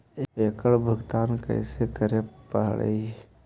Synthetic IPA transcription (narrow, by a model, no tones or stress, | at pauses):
ekəɭbʱəɡt̪aːnkə̰ɪsekəɾeppəɦɽə̰i